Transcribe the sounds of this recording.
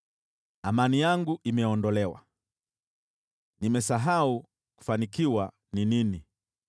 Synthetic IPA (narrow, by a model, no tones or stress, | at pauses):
amanijaŋɡuʔimɛɔndɔlɛwa̰ | nimɛsaɦau | ku̥fanikiwa | ninini